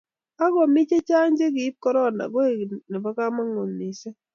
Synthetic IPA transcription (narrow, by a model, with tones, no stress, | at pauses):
a˦ɡɔ˨mɪ˦t͡ʃe˦t͡ʃa˦n˦d͡ʒe˦ɡɪ˨i˦p̚kɔ˦ɾɔ˦˨na̰˨ɡwe˦˨ne˨ba˦ka˦ma˦ŋo˨nːi˨se˦